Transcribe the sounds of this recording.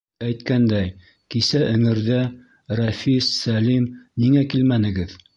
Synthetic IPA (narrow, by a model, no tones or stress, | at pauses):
æjt̪kænd̪æj | kisæʔɵ̆ŋɘ̆ɾðæ | rɑfissælimniŋækilmænɘ̆ɡɘð